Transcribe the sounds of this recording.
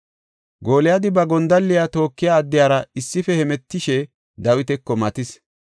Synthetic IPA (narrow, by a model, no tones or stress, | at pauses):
ɡoːlɪjad̪ɪbɐɡɔnd̪ɐlːɪjat̪o̞ːkːɪjaːd̪ːɪjaːɾɐɪsːɪfɛhɛmɛt̪ːɪʃɛ | d̪ɐwɪt̪ɛkːɔmɐt̪ɪs